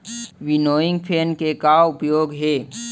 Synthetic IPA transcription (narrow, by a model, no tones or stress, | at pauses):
ʋɪnoːɪ̃ŋɡpʰeːnkekaʊpjoːɡɦeː